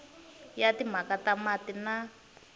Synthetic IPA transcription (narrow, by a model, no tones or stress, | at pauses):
jatim̤akatamatina